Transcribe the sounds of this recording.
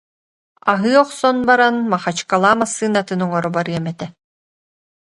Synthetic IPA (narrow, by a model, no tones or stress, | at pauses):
aɦɯːɔχsɔnbaɾanmaχat͡ʃkalˠaːmasːɯːnat̪ɯnɔŋɔɾɔbaɾɯɛmɛt̪ɛ